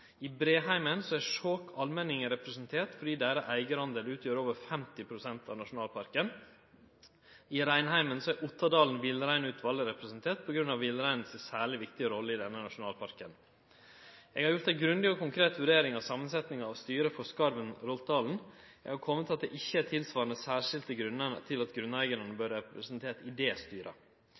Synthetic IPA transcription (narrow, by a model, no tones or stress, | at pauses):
ɪbɾeːɦæɪmənsɔæʂoːkʰɑlmɛnɪŋəɾɛpɾɛsənt̪ʰeːʈfɔɖiːd̪eɾəʔæɪɡəɾhɑnd̪eːlʉːt̪ʰjøːɾoːʋəɾfɛmt̪ɪpʰɾʊsɛnt̪ɑ̰ʋnɑʂʊnɑːlpʰɑɾkən | ɪɾæɪnhæɪmənsɔæɾʔʊt̪ʰːɑd̪ɑːln̩ʋɪlɾæɪnʉːt̪ʰʋɑlːəɾɛpɾɛsnt̪ʰeːʈ̚pʰɔɡɾʉnːɑʋɪlɾæɪnəsəsæːɭɪʋɪkt̪ɪəɾɔlːəɪd̪ɛnːənɑʂʊnɑːlpʰɑɾkən | ɛɡhɑɾjʊɾʈt̪æɡɾʉnd̪ɪɔkʰʊŋkʰɾeːt̪ʋʉɖeːɾɪŋɑʋsɑːmənsɛt̪nɪŋɑɑʋst̪yːɾəfɔskɑɾʋənɾɔlt̪̚d̪ɑːln̩ɛ̰ɡhɑɾkʰɔmːət̪ɑt̪̚d̪ɛʔɪçːəæt̪ʰɪlsʋɑːɾnəsæːʂɪlt̪əɡɾʉnːənət̪ʰɪlɑt̪ɡɾʉnæɪɡəɾənəbøːɾɛpɾəsənt̪ʰeːʈ̪ɪd̪ɛːst̪yːɾʔə̰